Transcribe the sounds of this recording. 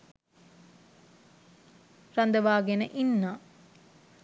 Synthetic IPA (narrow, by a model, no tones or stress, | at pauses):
rɐnd̪əʋaːɡenəʔinːa